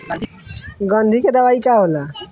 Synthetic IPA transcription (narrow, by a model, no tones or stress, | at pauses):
ɡənd̪ʱiked̪əʋaikaɦola